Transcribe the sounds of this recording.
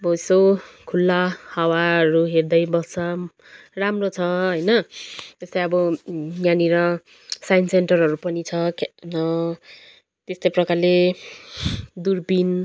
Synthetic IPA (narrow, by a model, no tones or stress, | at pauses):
bʱʌjsokʰulːahawaʌɾuɦerd̪ʌjbʌt͡sʌ | ramrot͡sʰʌɦʌjnʌt̪est̪ʌjʌbʌjjaniɾʌ | sajnsenʈʌrɦʌɾupʌnit͡sʰʌknʌ | t̪est̪ʌjprʌkarle | d̪urbin